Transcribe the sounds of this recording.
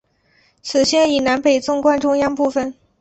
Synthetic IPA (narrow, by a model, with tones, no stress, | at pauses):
t͡sʰɹ̩˨˩ɕjɛ˥˩i˨˩na˧˥npe˨˩ɪt͡sʊ˥ŋkwa˥nʈ͡ʂʊ˥ŋjɑ˥ŋpu˥˧fə˨˩n